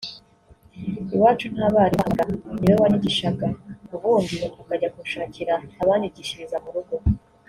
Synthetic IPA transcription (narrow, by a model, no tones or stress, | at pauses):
iwaːt͡ʃun̥haβaɾiɡaniβaβaniɟiʃaɡauβuːndiukaɟakuʃaːciɾaːβaːniɟiʃiɾizamuɾuɡo̞